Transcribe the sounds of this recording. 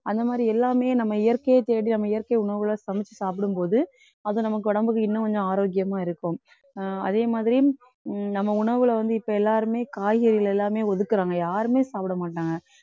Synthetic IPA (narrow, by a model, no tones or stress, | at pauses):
ɐnd̪ɐmaːðɾiɛlːaːmeːnɐmːɐɪjɐɾkejet̪eːɽinɐmːɐɪjɐɾkejʊɳɐɾʋɯlaːsɐmɪt͡ʃːɯsaːp̬ɪɽɯmpoːðɯ | ɐðõnɐmɐk̬ːɯʊɽɐmbɯk̬ːɯɪnːɐ̃kɔɲd͡ʒɔ̃aːɾoːɡjɐmaːɪɾɯkːʊ̃m | ɐ̰ðeːmaːðɪɾi | nɐmːɐʊɳɐɾʋɪlɐʋɐnd̪ɯɪpːoɛlːaːɾɯmeːkaːjɣɐɾɪɪlɛlːaːmeːɔðɯkːɯɾaːŋɡɐjaːɾɯmeːsaːpɪɽɐmaːʈːaːŋɡɐ